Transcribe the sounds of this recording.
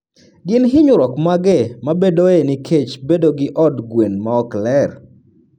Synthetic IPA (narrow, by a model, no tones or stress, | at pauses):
ɡɪnɦɪɲʊɾɔkmaɡɛmabedoenɪkʰet͡ʃbedoɡɪʔɔdɡwenmaɔklɛr